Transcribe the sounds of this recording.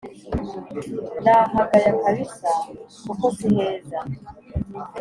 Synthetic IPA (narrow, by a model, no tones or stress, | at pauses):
ndaːɦaɡajakaβisakukosiheːza